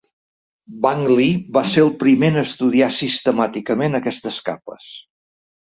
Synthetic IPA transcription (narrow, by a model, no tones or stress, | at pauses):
baŋɡliβaseɾəlˠpɾimenəst̪uð̞iasist̪əmat̪ikəmenəkɛst̪əska̰pə̰s